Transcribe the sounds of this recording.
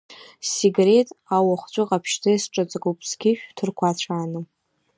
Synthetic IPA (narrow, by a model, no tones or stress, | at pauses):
seɡre̞tʼawaχʷt͡ɕʷʼʊqʼapʰʃtʰɨsʈ͡ʂʼat͡sʼakʼupʰʼsɡʲɪʃᶣtʰɨrkʷʰat͡ɕʷʰaːnɨ